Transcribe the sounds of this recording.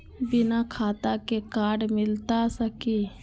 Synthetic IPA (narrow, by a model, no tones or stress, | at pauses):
bɪnakʰaːt̪akekaːɖmɪlt̪asəki